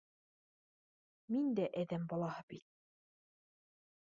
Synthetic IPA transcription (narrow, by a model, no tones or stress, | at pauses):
mind̪æʔæðæmbɒlˠɑhɤbit̪̚